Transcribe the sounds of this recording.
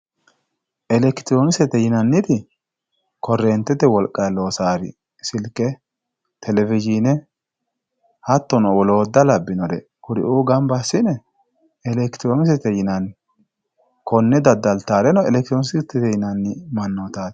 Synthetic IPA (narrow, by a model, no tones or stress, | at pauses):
ʔɛlɛkt̪ɪɾonɪsɛt̪ɛjɪnɐnːɪt̪ɪ | kɔrːɛːnt̪ːɛt̪ɛwɔlkʼːɐjloːsaːɾɪ̰ | sɪlkːɛ | t̪ʰɛlɛvɪd͡ʒinɛ | hɐt̪ːɔnɔwɔlo̞ːd̪ːɐlɐbːɪnɔd̪ɛ̰ | kʊdɪ̰ʔuːɡɐmbɐsːɪnɛ | ɛlɛkt̪ɾoːnɪs̬ɛt̪ɛjɪnɐn | kʰɔnːɛd̪ɐd̪ːɐlt̪aːɾɛnɔɛlɛkt̪ɾonɪsɪt̪ːɛt̪ɛjɪnɐnːɪmɐnːot̪aːt̪